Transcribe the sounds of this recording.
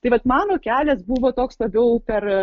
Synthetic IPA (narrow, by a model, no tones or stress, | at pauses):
t̪ɐɪʋɐt̪mɑːnoːkʲæːlʲɛsbuʋoːt̪oːkslˠɐbʲɛʊpʲɛr